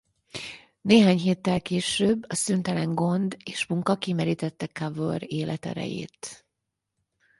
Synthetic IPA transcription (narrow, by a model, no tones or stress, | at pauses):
neːɦaːɲɦeːt̪ːɛlkeːʃøːbːɒsynt̪ɛlɛŋɡo̞nd̪eːʃmuŋkɒkimɛɾiːt̪ɛt̪ːɛkavoɾeːlʔɛt̪ɛ̰ɾɛ̰jḛːt̪